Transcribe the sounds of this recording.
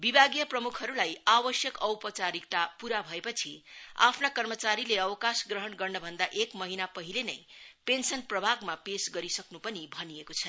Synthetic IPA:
bibʱaɡjʌprʌmukʰɦʌɾulajabʌsjʌkʌwpʌt͡saɾik̚t̪apuɾabʱʌepʌt͡sʰia̰pʰnakʌrmʌt͡saɾileʌwʌkasɡrʌɦʌnɡʌrnʌbʱʌnd̪aʔekmʌɦinapʌɦilenʌjpensʌnprʌbʱaɡmapesɡʌɾisʌknupʌnibʱʌnijekot͡sʰʌ

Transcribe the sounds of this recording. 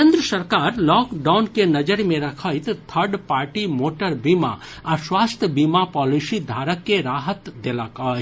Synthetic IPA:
kẽnd̪ɾəsəɾkaːɾlɔːkɖawnkenɐd͡ʒəɾmẽɾɐkʰəjt̪t̪ʰəɾɖpaːɾʈimoʈəɾbima̰ɐɾswaːst̪ʰjəbimapɔːlisid̪ʱaːɾəkːeɾaːɦət̪d̪elakaː

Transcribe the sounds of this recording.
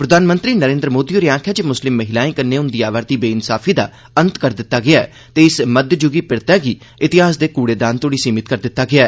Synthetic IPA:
pɾəd̪aːnmə̃nt̪ɾiːnəɾẽːnd̪ɾəmoːd̪iːoːɾiãːkʰɛːt͡ʃemʊslɪmːəɦɪlaːĩːkənːeːʊnd̪iːaːʋaːɾd̪iːbeːɪnsa̰ːpʰiːd̪a̰ː | ənt̪kəɾd̪ɪt̪ːaːɡɪaːɛ̰ː | t̪eːɪsməd̪d͡ʒʊɡiːpɪɽt̪ɛːɡiː | ɪt̪ɪɦaːsd̪eːkuːɽeːd̪ãːnt̪oːɽiːsiːmɪt̪kəɾd̪ɪt̪ːaːɡɪaːɛː

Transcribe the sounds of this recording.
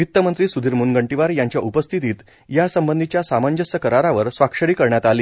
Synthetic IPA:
it̪ːəmənt̪ɾiːsud̪ʱiːɾmunɡəɳʈiʋaɾjaɲt͡ɕjaʔupəst̪ʰit̪iːt̪ | jasəmbənd̪ʱit͡ɕjasamaɲd͡ʑəsəkəɾaɾaʋəɾsʋakʂəɽiːkəɾɳjat̪aliː

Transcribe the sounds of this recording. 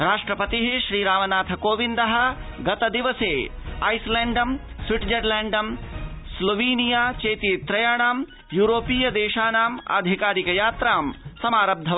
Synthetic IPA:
ɾaːʂʈɾɐpɐt̪iɦiʃɾiːɾaːmɐnaːt̪ʰɐkoːʋind̪ɐɦɐ̆ɡɐt̪ɐd̪iʋɐseːɐjsleːɳɖɐm | sʋiʈd͡ʒɐɾlɛːɳɖɐmsloʋiːnijaːt͡ʃeːt̪iːt̪ɾɐjaːɳaːm | juːɾoːpiːjɐd̪eːʃaːnaːmɐ̰d̪ʱikaːɾikɐjaːt̪ɾaːmsɐmaːɾɐb̚d̪ʱɐ

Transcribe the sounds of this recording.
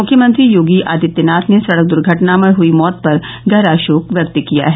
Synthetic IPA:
mʊkʰjəmə̃nt̪ɾijoːɡiʔaːd̪ɪt̪ːɪnaːt̪ʰnesɐɽək̚d̪ʊɾɡʱəʈnamə̃ɦuimɔːt̪̚pɐɾ | ɡʱɐɾaːʃoːkʋjɐk̚t̪kija̰ɦɛː

